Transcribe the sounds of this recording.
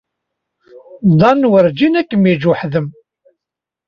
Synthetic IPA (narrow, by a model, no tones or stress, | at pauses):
d̪ˤɑnːwəɾd͡ʒinækːəmid͡ʒuħðəm